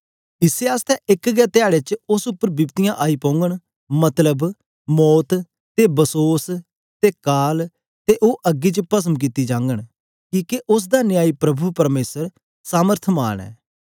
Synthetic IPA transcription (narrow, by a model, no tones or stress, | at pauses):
ɪseaːst̪ɛːʔɪkɡɛːt̪ɪaːɽet͡ʃʊsʊpːəɾbɪʋt̪ijãʔaːipõːʊ̃ŋɡəɽ | mɐt̪ləb | mɔːt̪ | t̪ebəsoːs | t̪eːkaːl | t̪eʔoːʔəɡːit͡ʃəpəs̬əmk̬it̪ːid͡ʒãːŋɡəɽ̃ | kiːkeʔʊs̬d̪anɪjaːipɾɐbʱupəɾmeːsəɾ | saːməɾt̪ʰma̰ːɳ̃ɛ̰ː